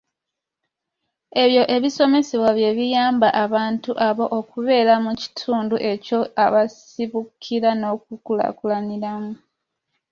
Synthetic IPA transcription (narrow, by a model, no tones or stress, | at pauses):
e̞βjo̞ʔe̞βiso̞me̞seβwaβje̞βijaːmbaʔaβaːntuʔaβo̞ʔokuβe̞ːɾamuci̥tʰuːnduʔe̞co̞aβas | iβukʰiɾano̞k̚ukula̰kulaniɾamu